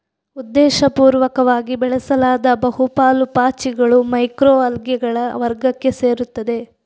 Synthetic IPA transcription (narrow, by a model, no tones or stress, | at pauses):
ud̪ːɛːʃɐpuːɾʋɐkɐʋaːɡibɛɭɐsɐlaːd̪ɐbɐɦupaːlupaːt͡ʃiɡɐɭumɐjkɾoːɐlɡjɛɡɐɭɐʋɐɾɡɐkːe̞se̞ːɾut̪ːɐd̪e̞